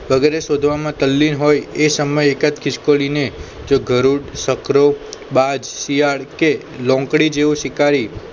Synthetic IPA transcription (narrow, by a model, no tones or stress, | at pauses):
ʋəɡɛɾesod̪ʱʋamãt̪əlːinɦojesəməjekət̪kʰɪʃkoline | d͡ʒoɡʱəɾuɽsəkɾobad͡ʒsiaɽke | lɔ̃ŋkɽid͡ʒeʋũʃɪkaɾi